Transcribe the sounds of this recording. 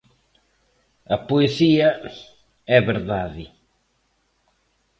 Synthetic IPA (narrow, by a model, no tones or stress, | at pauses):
ɐpoesiɐ | ɛβeɾðaðɪ